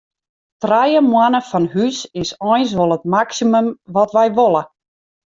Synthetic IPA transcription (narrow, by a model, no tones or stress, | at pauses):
trajəmwanəfɔnhysɪsɔjns̬ʋolˠətmaksiməmʋɔtʋɛjʋolˠə